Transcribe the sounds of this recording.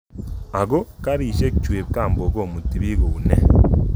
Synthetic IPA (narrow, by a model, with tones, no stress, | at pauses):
a˨ɣo˦ka˦ɾiː˨ʃe˦ku˨t͡ʃweː˨βikaː˦˨mbo˨ɡo˦˨mu˨ti˨βi˦ɣo˨u˨ne˦